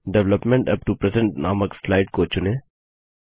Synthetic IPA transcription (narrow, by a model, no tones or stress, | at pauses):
ɖɛʋləpmɛ̃ɳʈɐp̚ʈupɾɛzɛ̃ɳʈnaːməkslaɪʈ̚koːt͡ʃʊne